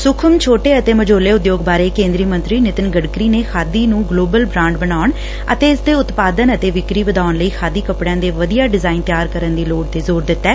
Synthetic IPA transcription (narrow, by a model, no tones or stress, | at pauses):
sʊkʰəmt͡ʃʰoːʈeːət̪eːməd͡ʒoːleːʊd̪joːɡbaːɾeːkẽːnd̪ɾiːmə̃nt̪ɾiːnɪt̪ənɡəɽkɾiːneːkʰaːd̪iːnũːɡloːbəlbɾãːɳɖbənaːʊɳ | ə̰t̪eːɪsd̪eːʊt̪paːd̪ənət̪eːʋɪkɾiːʋəd̪aːnləiːkʰaːd̪iːkəpɽjãːd̪eːʋəd̪ijaːɖɪzaːint̪jaːɾkəɾənd̪iːloːɖt̪eːzoːɾd̪ɪt̪ːɛː